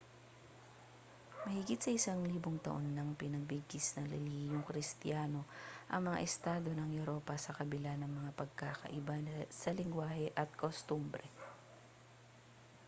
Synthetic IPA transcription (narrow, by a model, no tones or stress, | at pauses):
mɐhɪɡɪt̪sɐʔɪsaŋliːboŋt̪ɐ̰ʔo̞nːɐŋpɪnɐɡ̚bɪɡɪsnɐŋlɪliːjʊŋkɾɪst̪ɪjaːno̞ʔɐŋmɐŋa̰ʔɛst̪aːd̪o̞nɐŋjuɾo̞ːpɐsɐkɐbɪlanɐŋmɐŋapɐɡ̚kaːkɐ̰ʔɪbasɐlɪŋɡwaːhɛʔɐt̪̚kost̪umbɾɛ